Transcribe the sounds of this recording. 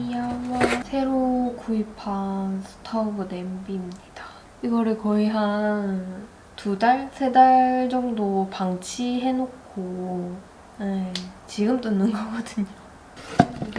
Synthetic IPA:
ijaʌsʰe̞ɾokuipʰasʰɯ̥tʰʌbɯne̞mbimɲida | iɡʌɾɯɭkʌiɦan | tudaɭsʰe̞daɭd͡ʑʌŋdopaŋt͡ɕʰiɦe̞nokʰo | et͡ɕiɡɯmt͈onɯnɡʌɡʌdɯɲo

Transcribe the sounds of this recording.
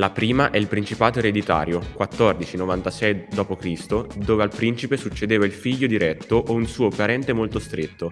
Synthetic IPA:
lapɾiːmaʔɛilpɾint͡ʃipaːt̪oeɾed̪it̪a̰ːɾjokwat̪ːɔrd̪it͡ʃinovant̪asɛjd̪ɔːpokɾist̪od̪oːvealpɾint͡ʃipesut͡ʃːed̪eːvailfiʎːod̪iɾɛt̪ːoʔounsuːopaɾɛnt̪emolt̪ost̪ɾet̪ːo

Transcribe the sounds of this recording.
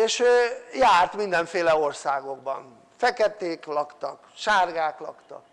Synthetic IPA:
eːʃøːjaːrt̪mind̪ɛɱfeːlɛo̞rsaːɡo̞ɡ̚bɒ̰n | fɛkɛt̪eːklɒkt̪ɒkʃaːrɡaːklɒ̰kt̪ɒ̰k

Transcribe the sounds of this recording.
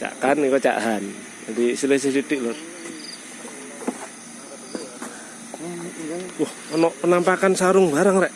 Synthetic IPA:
t͡ʃa̰kanikɔt͡ʃa̰ʔɦan | d͡ʒad̪isilesisit̪iʔlɔr | wɔhɔnɔʔpənampakansaɾʊŋbaɾaŋɾɛʔ

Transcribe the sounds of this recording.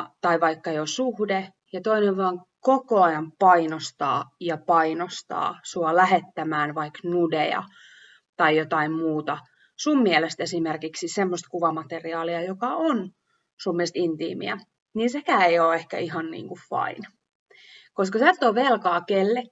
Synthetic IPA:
t̪ɑiʋɑikːɑjosuhde | jɑt̪oineʋʋɑːŋ | kokoɑjɑmpɑinost̪ɑ̰ːjɑpɑinost̪ɑ̰ːsuɑlæhet̪ːæmæːnʋɑiknudejɑ̰ | t̪ɑijjot̪ɑimmuːt̪ɑ | sumːiɛlest̪esimerkiksisemːost̪kuʋɑmɑt̪eriɑːliɑjokɑʔon | sumːiest̪int̪ḭːmḭæ̰ | niːnsekæːeioːehkæ̰iɦɑnnḭːŋkuffɑ̰in | koskɑsert̪ːoːʋelkɑːkelːe

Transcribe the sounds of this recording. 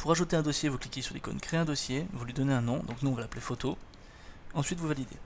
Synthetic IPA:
puʁaʒut̪eɛ̃d̪ɔsjevuklikʲesyʁlḛkɔ̰nkχeɛ̃d̪ɔsjevulɥid̪ɔneɛ̃nɔ̃d̪ɔ̃knuɔ̃valaplefot̪o | ɑ̃sɥit̪vuvalid̪ḛ

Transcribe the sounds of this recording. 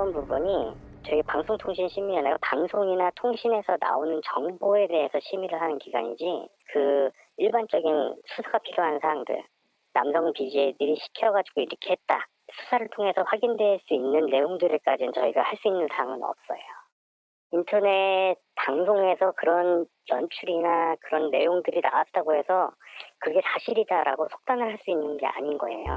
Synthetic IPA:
ʌnpubuɲi | t͡ɕʌiɡepaŋsʰoŋtʰoŋɕʰinɕʰimianajopaŋsʰoŋinatʰoŋɕʰine̞sʰʌna̰onɯnt͡ɕʌŋboe̞de̞ɦesʰʌɕʰimiɾɯɭhanɯnkiɡa̰ɲḭd͡ʑikɯ | iɭbant͡ɕ͈ʌɡinsʰusʰaɡapʰiɾjoɦansʰaɾaŋdɯ̰ɭ | na̰msʰʌŋpid͡ʑiedɯɾiɕʰi̥kʰjʌɣad͡ʑiɡoiɾʌkʰehet̚t͈a̰ | sʰu̥sʰaɾɯɭtʰoŋɦe̞sʰʌɸwaɡindwe̞ɦɭs͈uinːɯnːe̞joŋdɯɾek͈a̰d͡ʑit͡ɕʌiɡa̰haɭs͈uinːɯnsʰaŋɯnʌ̰p̚s͈ʌjo | intʰʌne̞ | taŋsʰoŋe̞sʰʌkɯɾʌn | jʌnt͡ɕʰuɾinakɯɾʌnːe̞joŋdɯɾina̰wat͈̚aɡohe̞sʰʌkɯɡe̞sʰaɕʰiɾidaɾa̰ɡosʰo̥k̚t͈anɯɭɦaɭs͈uinːɯnɡe̞a̰ɲinɡʌ̰e̞̰jo̰

